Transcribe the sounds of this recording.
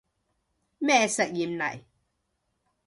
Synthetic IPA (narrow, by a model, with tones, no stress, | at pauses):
mɛ˦˨sə˨ʔji˨mna˨ʔi˨